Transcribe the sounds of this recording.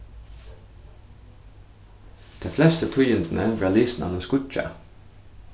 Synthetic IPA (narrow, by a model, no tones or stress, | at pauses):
d̪̥eːflɛst̪ət̪ʰʊjənd̪n̩ʔəʋæːliːsn̩ʔɑ̰noːskʊt͡ʃɑ̰